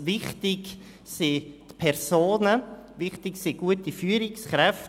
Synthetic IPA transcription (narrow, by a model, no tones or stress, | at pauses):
vɪχtɪɡ | sit̪pʰɛɾsoːnəʋɪχtɪksiɡ̥uətifyːəɾɪksχɾɛft